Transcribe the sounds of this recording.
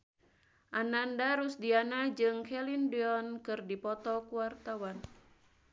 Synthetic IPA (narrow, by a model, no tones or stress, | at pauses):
ʔanandaɾusdianad͡ʒɨŋkʰɛlindiɔnkɨrdipɔt̪ɔkuwart̪awan